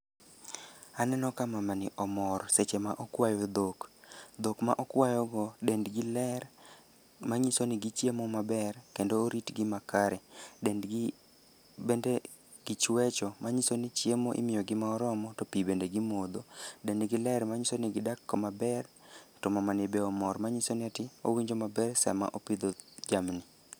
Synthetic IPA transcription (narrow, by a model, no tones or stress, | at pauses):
anɛnɔkamamanɪʔɔmɔɾset͡ʃemaʔɔkwajod̪okd̪okma̰ʔɔkwajɔɡɔdendɡɪlɛr | maɲisonɪɡɪt͡ʃjemɔmabɛrkendoːɾitɡɪmakaɾɛden | bende | ɡ̥ɪt͡ʃwɛt͡ʃɔmaɲisonɪt͡ʃjemoʔɪ̰mɪjɔɡɪmaɔɾɔmɔtopibendeɡɪmod̪odendɡɪlɛɾmaɲisonɪɡɪdakːɔmabɛrtɔmamanɪbɛɔmɔɾmaɲisonɪatɪo̰wiɲd͡ʒomabɛrsɛ̰ma̰ʔopɪd̪od͡ʒamnɪ